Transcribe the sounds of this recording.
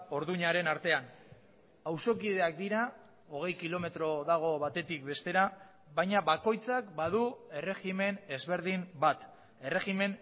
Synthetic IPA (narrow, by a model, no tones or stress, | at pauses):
o̞ɾðuɲaɾe̞naɾt̪e̞an | awso̞kiðe̞ak̚d̪iɾa | o̞ɣ̞e̞jkilo̞me̞t̪ɾo̞ðaɣ̞o̞βat̪e̞t̪ik̚be̞st̪e̞ɾa | βajɲaβako̞jt͡sakbað̞ue̞re̞xime̞ne̞zβe̞ɾð̞imbat̪ | e̞re̞ɣime̞n